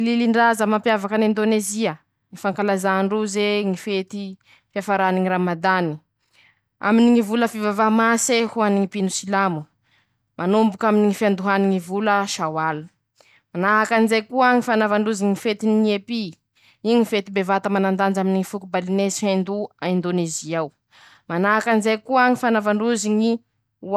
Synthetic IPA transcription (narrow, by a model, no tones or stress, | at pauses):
ililiɳɖ͡ʐazəmampjavakənind̪oneziə | ŋifaŋkalazaɳɖ͡ʐuzeŋifet̪i | fiafaɾaniŋiɾamad̪ani̥ | a̰miniŋivuləfivavamasehuaniŋipinusilamu | mʔanumbukaminiŋifiand̪uɦaniŋivuləʃawal | manaɦakanizjkuaŋifanavaɳɖ͡ʐuziŋifet̪iniepi | iɲifet̪ibevat̪əmanand̪and͡ʒaminiŋifukubalinesihend̪uaind̪oneziaw | manaɦakanizejkuaŋifanavaɳɖ͡ʐuziŋi